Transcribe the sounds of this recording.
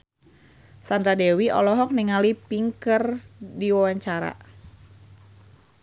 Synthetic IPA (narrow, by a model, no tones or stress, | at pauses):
sand̪ɾadewiʔɔ̰lɔɦɔk̚niŋalipiŋkərdiwawaɲt͡ʃaɾa̰